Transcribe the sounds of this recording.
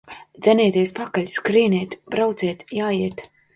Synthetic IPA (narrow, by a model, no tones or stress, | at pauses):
d̪z̥ʲɛniːt̪iɛspakaʎʲskɾiːnʲiːt̪bɾawt̪ziɛt̪jaːjiɛt̪